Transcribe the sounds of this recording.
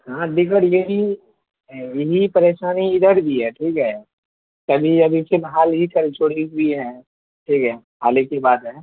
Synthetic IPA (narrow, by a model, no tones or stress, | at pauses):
ɦãːɖɪkəɽjeɦi | jeɦipɐɾeːʃaːniɪd̪əɾbʱiɦɛʈʰiːkɦɛ | t̪ɐbʱiɐbʱisemɦaːlɦikɐɾt͡ʃoːɽiuiɦɛ̃ | ʈʰiːkɦɛ | ɦa̰ːlekebaːd̪ɦɛ̃ː